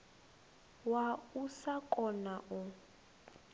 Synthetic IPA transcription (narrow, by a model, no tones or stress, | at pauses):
wausakʼɔnaʔu